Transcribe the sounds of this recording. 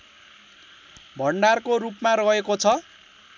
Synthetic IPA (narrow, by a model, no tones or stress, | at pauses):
bʱʌɳɖarkorupmaɾʌɦekot͡sʰʌ